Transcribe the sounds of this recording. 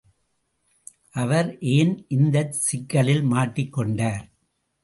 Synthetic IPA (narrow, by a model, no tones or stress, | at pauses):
ʔɐʋɐɾʔeːnʔɪnd̪ɐsɪkːɐɭɪlmaːʈːɪkːɔɳɖaːɾ